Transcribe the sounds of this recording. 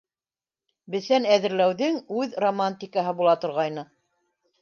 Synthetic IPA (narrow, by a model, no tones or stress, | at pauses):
bɘ̆θænæðɘ̆ɾlæwðɘŋʉðromanʲt̪ʲikaɦɤbulˠɑt̪ŏɾʁɑjnɤ